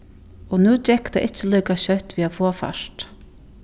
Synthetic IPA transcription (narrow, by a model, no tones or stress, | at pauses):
ɔnuːt͡ʃɛkt̪a̰ʔɪht͡ʃːəlœʏkaɕœht̪ʋiːafoːfa̰ʃt̪